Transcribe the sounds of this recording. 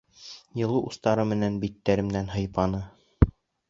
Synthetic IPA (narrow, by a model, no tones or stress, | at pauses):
jɤ̆lˠuʔust̪ɑɾɤmɘ̆nænbit̪ːæɾɘ̆mnænɦɤ̆jpɑnɤ